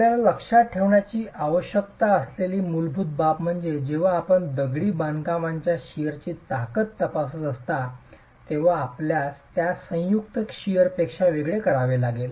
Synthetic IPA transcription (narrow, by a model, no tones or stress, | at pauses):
jaləkʂaʈʰeʋɳjat͡ɕiːʔaʋəɕjək̚t̪aəsleliːmulbʱut̪̚bapm̤əɳd͡zed͡ʑeʋ̤aːpəɳd̪əɡɽiːbãnkaʋãɲt͡ɕjaɕijəɾt͡ɕiːt̪akət̪ːəpas̬əst̪a | t̪eʋaːpljast̪jasə̃juk̚t̪əkɕijəɾpekʂaʋeɡɭekəɾaʋelaɡel